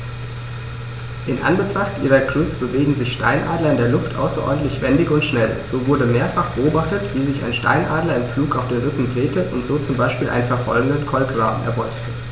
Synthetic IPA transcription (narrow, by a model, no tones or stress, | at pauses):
ʔɪnʔa̰nbətʁ̥aχtʔiːʁɐkʁ̥ʏsb̥əveːɡŋ̩zɪçʃta̰ɪnʔaːdlɐɪndeːɐlʊftʔa̰ʊsɐʔɔ̰ːɐdn̩tlɪçv̥ɛndɪçʊntʃnɛlz̥oːvʊɐdəmeːɐfaχb̥əʔoːbaχtətv̥iːzɪça̰ɪnʃta̰ɪnʔaːdlɐɪmfluːkaʊfd̥eːnʁʏkŋ̩dʁeːtəʔʊntz̥oːt͡sʊmbaɪʃpiːlʔa̰ɪnfɛɐfɔ̰lɡŋ̩dənkʰɔlkv̥aːnɛ̰ɐvɔʏktʰə